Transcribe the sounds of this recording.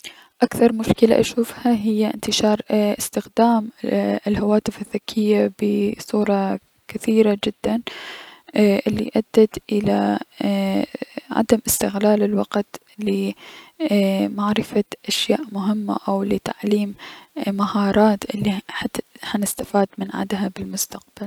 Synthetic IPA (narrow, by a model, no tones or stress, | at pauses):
ʔakθɑɾˤmʊʃkɪla̰ʔaʃuːfhaɦɪjːaʔɪ̰nt̪ɪʃɑːɾˤʔɪst̪ɪxd̪aːmɪlhawaːt̪ɪfɪðːakʰːɪjːabɪsˤuːɾˤɑ | kaθiːɾad͡ʒɪd̪̥ːan | ʔɪlːḭʔad̪ːat̪ʔɪla | ʕa̰d̪amʔɪst̪ɪɣlaːlɪlwɑqt̪ | lɪ | maʕɾɪfaʔaʃjaːʔmʊɦɪmːa̰ʔawlɪt̪aʕliːmmahɑːɾˤɑːt̪ʔɪlːiħahanɪst̪afaːd̪mɪnʕa̰d̪ɦabɪlmʊst̪aq̚b̥al